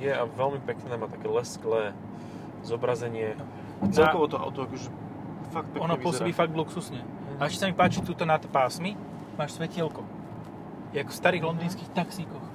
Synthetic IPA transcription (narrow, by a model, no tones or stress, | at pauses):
jɛaʋɛlmipɛknɛːmaːt̪akɛːlɛsklɛː | zɔbɾazɛɲɪɛ | t͡sɛlɔʋɔt̪ɔa̰ʊt̪ɔakɔʒɛ | fak̚t̪̚pɛɔnɔɔsɔbiːfaɡ̚d̪bluksusɲɛ | aɛʃt͡ʃcɛ̥samipaːt͡ʃit̪uːt̪ɔnat̪paːsmi | maːʃsʋɛcɪɛlkɔ | jakfst̪aɾiːɣlɔnd̪iːnskiːxt̪aksikɔx